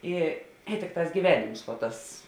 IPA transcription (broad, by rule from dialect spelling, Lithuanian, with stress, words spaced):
ˈɪ ɪ ˈtʲɪkˌtɑːs ɡʲiːˈʋʲæːnʲɪms ʋoː ˈtɐs